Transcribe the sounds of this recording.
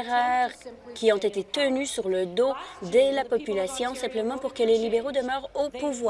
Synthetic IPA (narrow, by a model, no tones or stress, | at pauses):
ʁœːʁkʲiɔ̃t̪et̪et̪ənysyʁləd̪od̪əlapɔpylasjɔ̃sɛ̃pləmɑ̃puʁkəlelibeʁod̪əmœːʁopuvwa